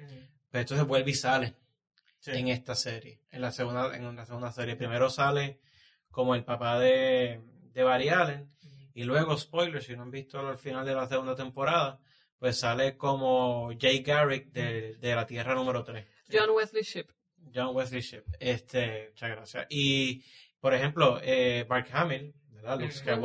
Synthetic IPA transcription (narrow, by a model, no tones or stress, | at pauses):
peent̪ons̬ebwelβisale̞ | seŋe̞st̪ase̞ɾje̞enlaseɣund̪aʔḛŋnlaseɣund̪ase̞ɾjepɾime̞ɾo̞sale̞ | ko̞moe̞lpapaðe̞ | d̪e̞βaɾjaleŋilwe̞ɣo̞spo̞jleɾsinoambist̪olalfinald̪e̞lase̞ɣund̪at̪e̞mpo̞ɾaða | pwe̞sːaleko̞mod͡ʒejɡaɾik̚d̪ed̪elat̪je̞ranũme̞ɾo̞t̪ɾe̞s | d͡ʒonwesliʃip | d͡ʒoŋwesliʃip̚est̪emut͡ʃaɣɾasja̰ʔi | po̞ɾe̞ɦe̞mplo̞ʔebaɾkhamilbeɾd̪alukske